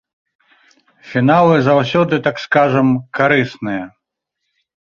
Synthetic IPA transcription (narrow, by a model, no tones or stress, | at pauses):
fʲinalˠɨzawsʲɔd̪ɨt̪akskaʐɐmkaɾɨsnɨjɐ